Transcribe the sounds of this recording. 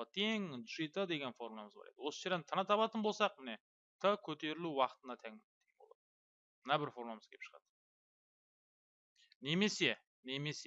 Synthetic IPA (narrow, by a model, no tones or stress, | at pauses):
ət̪ʰeŋʒijt̪əd̪e̞ɡʲenfo̞ɾmlˠɑməzbɑ̰ɾejd̪əwo̞səʒe̞ɾd̪ent̪ʰənɑt̪ʰɑpɑt̪ənbo̞lˠsɑq̚mɪne̞ | t̪ʰəkʲʰɵt̪e̞ɾɪluwɑqət̪ənɑt̪ʰæŋt̪ʰeŋbo̰lˠɑ̰d̪ə | mənɑbɪɾfo̞ɾmɑməzkʲʰepʃə̥ʁɑ̰d̪̥ə̥ | ne̞me̞se̞ | neme̞se